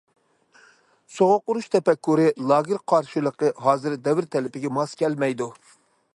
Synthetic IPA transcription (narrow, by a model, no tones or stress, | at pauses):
soʁoqːʊɾuʃt̪ʰɛpɛkːuɾɨlˠɑːɡʲɨɾqʰɑɾʃɨlˠəqəɦɑːzɨɾd̪ɛvɪɾt̪ʰɛlɪpɪɡʲɛmɑskʲʰɛlmɛjd̪u